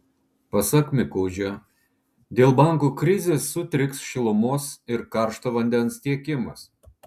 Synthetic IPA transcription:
pɐsɐkmʲɪkɔːd͡ʒʲo | d̪ʲeːlˠbɐˑŋˑkukɾʲɪzʲeːsːʊt̪ʲɾʲɪksʃʲɪlˠʊmoːsɪɾkɑˑɾʃt̪oːʋɐnʲd̪ʲɛnst̪ʲiɛkʲɪmɐ̰s

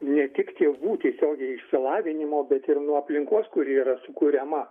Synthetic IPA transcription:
nʲɛt̪ʲɪkt̪ʲeːʋuːt̪ʲiɛsʲoːɡʲɛɪɪʃʲsʲɪlˠɑːʋʲɪnʲɪmoːbʲɛt̪ɪrnuɔɐpʲlʲɪŋkoːskʊɾʲɪiɾɐsʊkuːɾʲɛmɐ

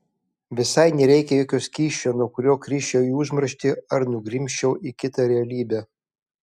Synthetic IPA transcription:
ʋʲɪsɐɪnʲɛɾʲɛɪkʲɛjoːkʲoːsʲkʲiːʃʲt͡ʃʲoːnuɔkʊɾʲoːkɾʲiːʃʲt͡ʃʲɛʊiʊʒmɾɐʃʲt̪ʲɪɐɾnʊɡɾʲɪmʲʃʲt͡ʃʲɛʊʔikʲɪt̪ɑɾʲɛɐlʲiːbʲæː

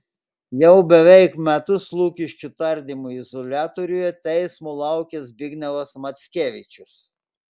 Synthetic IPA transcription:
jɛʊbʲɛʋʲɛɪkmʲɛt̪ʊslˠuːkʲɪʃʲkʲʊt̪ɐɾʲd̪ʲɪmʊɪzɔlʲæːt̪ɔɾʲʊjɛt̪ʲɛɪsmʊlˠɐˑʊkʲɛsbʲɪɡnʲɛlɐsmɐt̪sʲkʲeːʋʲɪt͡ʃʲʊs

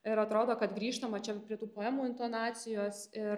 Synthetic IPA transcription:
ɪɾɐt̪ɾoːd̪oːkɐt̪ɡɾʲiːʃt̪ɐmɐt͡ʃʲɛpʲɾʲiɛt̪uːpoːɛːmuːɪnt̪oːnɑːsʲɪjoːsɪ

